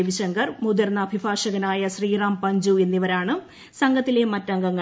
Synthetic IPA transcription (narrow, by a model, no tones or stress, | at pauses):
ʋiɕɐŋɡɐrmud̪ɐrnɐbʱibʱaːʂɐɣɐnaːjɐɕriːraːmpɐɲd͡ʑue̞nːiʋɐɾaːɳɨ | sɐŋɡʱɐt̪ːile̞mɐtːɐŋɡɐŋːɐ